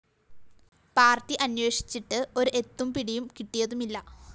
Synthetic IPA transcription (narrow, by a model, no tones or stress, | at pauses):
paːrtiʔɐnwe̞ːʂi̥t͡ɕːiʈːɨo̞ɾuʔet̪ːumpiɽijumkiʈːijɐðumilːɐ